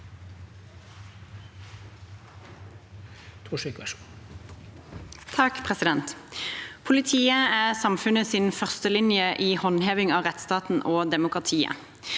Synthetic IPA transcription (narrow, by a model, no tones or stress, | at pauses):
t̪ʰuʂykʋæʃ | t̪ʰɑkpʰʁɛsɪd̪ɛnt̪pʰʊlɪt̪ʰiːəæːʁsɑmfʉnəsɪnfœʁst̪əlɪnjəʔiːhɔnɦeːʋɪŋɑːʁɛt̪st̪ɑːt̪n̩ʔoːd̪ɛmʊkʁɑt̪ʰiːə̰